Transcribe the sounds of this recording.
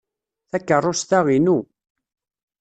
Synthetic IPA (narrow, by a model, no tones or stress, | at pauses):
θækːərˤːost̪æʁinu